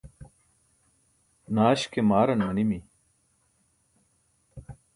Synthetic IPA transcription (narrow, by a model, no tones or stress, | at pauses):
naːɕkemaːɾɐnmɐnimi